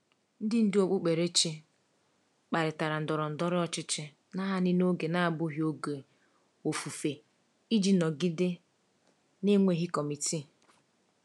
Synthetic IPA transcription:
n̩˦dɪ˦n̩˦dɪ˦o˦k͡pʊ˦k͡pe˨ɾe˦t͡ʃe˦ | k͡pa˨ɾɪ˨ta˨ɾa˨n̩˨dɔ˨ɾɔ˨n̩˨dɔ˦ɾɪ˦ɔ˨t͡ʃɪ˦t͡ʃɪ˦ | na˦ɦa˦nɪ˦no˦ɡe˨na˦a˨bʊ˦ɦjo˦ɡe˨ | o˨fu˨fe˨ | i˦d͡ʒi˦nɔ˨ɡi˦de˦ | ne˦ŋʷe˦ɦi˦kɔ˨mi˨ti˦˨

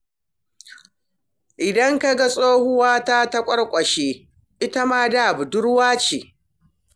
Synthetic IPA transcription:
ʔɪ˨dɐ˦ŋka˦ɡa˨sʼoː˦hʊ˦waː˦taː˦ta˦kʷʼɐ˦ɽkʷʼɐ˨ʃeː˦ | ʔɪ˦ta˦maː˦daː˦˨bu˨dʊ˦ɽwaː˦t͡ʃeː˨

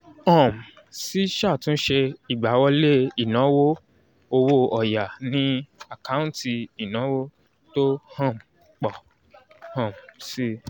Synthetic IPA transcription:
ɔ̃˦˨m˨ | si˦ʃa˦˨tũ˦ʃe˧i˨ɡ͡ba˨˦wɔ˧le˦i˦˨nã˨˦wo˦ | o˧wo˦ɔ˨ja˨nĩ˦a˨ka˦ũ˦ti˧i˨nã˨˦wo˦ | to˦hã˦˨m | k͡pɔ˨ | hã˦˨m˨si˦

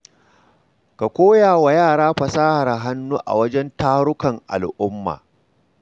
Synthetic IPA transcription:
ka˨kʷoː˦jaː˨wa˨jaː˦˨ɽaː˦ɸɐ˨saː˦ha˨ɾɦa˦nːuː˦ʔa̰˨wɐ˦d͡ʒɛ˦ntaː˦ɽʊ˦kɐ˨ŋʔa̰˨lʔʊ˦mːa̰ː˨

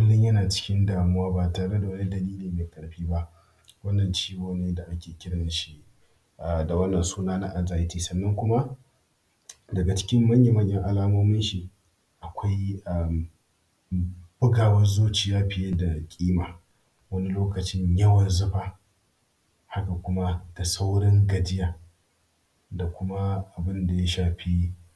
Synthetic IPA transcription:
bʊ˦lːɪ˦ɲjɐ˦naː˨t͡ʃɪ̥˦kʲɪ˦ndaː˨mʊ˦waː˦ba˨taː˨ɽe˦da˨wɐ˦ni˦dɐ˨liː˦liː˨meː˨kʼɐ˨ɽɸiː˦ba˦ʔ | wɐ˦nːɐ˨nt͡ʃiː˦ɡoː˨neː˦da˨ʔa˦kʲeː˨kʲɪ˦ɽɐ˨nʃi˦ | ʔa˨da˨wɐ˦nːɐ˨nsuː˦naː˦na˦ʔa˨nzaː˨ji˦tiː˦˨sɐ˨nːɐ˦ŋkʷʊ˦ma˦ʔ | dɐ˨ɡa˨t͡ʃɪ̥˦kʲɪ˦mːɐ˦ɲje˨mɐ˦ɲjɐ˦ŋʔa˨laː˦moː˦mɪ˦nʃi˨ | ʔa˨kʷa˦ja˨m | b̥ʊ˦ɡaː˨wɐ˦zoː˦t͡ʃiː˨jaː˦ɸɪ˨je˦da˨kʲʼiː˦maː˨ | wɐ˦ni˦loː˦kɐ˨t͡ʃɪ˦ɲjɐ˦wɐ˨nzʊ˦ɸaː˦ | ha˦ka˨kʷʊ˦ma˦d̥a˨sa˦wɽɪ˦ŋɡɐ˨dɪ˦jaː˨ | da˨kʷʊ˦ma˦ʔa˨bɪ˦nda˨ja˦ʃaː˨ɸiː˦

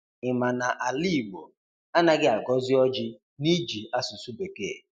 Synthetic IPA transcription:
ɪ˨ma˨na˨ʔa˨li˦˨ɡ͡bo˨ | a˦na˦ɡɪ˦a˨ɡɔ˦zɪ˦ɔ˦d͡ʒɪ˦ | ni˦d͡ʒi˨a˦su˨su˦be˨ke˦˨

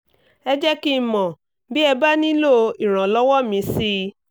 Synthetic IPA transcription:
ɛ˧d͡ʒɛ˦ki˦˨mɔ̃˨ | bi˦ɛ˧ba˦nĩ˦lo˦˨i˨ɾ̃ã˨lɔ˦wɔ˦mĩ˧si˦

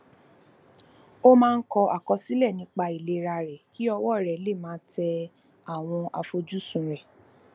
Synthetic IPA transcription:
o˦mãː˦˧n̩˦kɔ˧ʔa˨kɔ˧si˦lɛ˦˨nĩ˧˦k͡pa˧i˨le˧˦ɾa˧ɾɛ˨ki˦ɔ˧wɔ˦˨ɾɛ˨˦le˦˨mãː˨˦tɛ˧ | a˨w̃ɔ̃˧ʔa˧fo˧d͡ʒu˦sũ˨ɾɛ˨

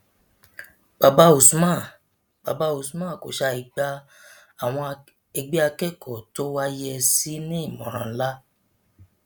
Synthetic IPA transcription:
b̥a˨ba˧˦o˨su˨˦mã˦˨ | ba˨ba˧o˨su˨˦mã˦˨ko˨ʃa˧i˨ɡ͡ba˦ | a˨w̃ɔ̃˧ | e˧ɡ͡bi˦a˧kɛ˦˨kɔ˨to˦wa˦jɛ˧si˦nĩ˦i˦˨mɔ̰̃˨ɾ̃ã̰˨˦la˦

